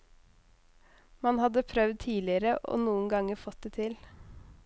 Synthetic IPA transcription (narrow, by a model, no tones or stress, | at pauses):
mɑnhɑd̪əpʰɾœʋd̪̚t̪ʰiːlɪəɾəʔo̰ːnuːənɡɑŋəɾfɔt̪̚d̪et̪ʰɪl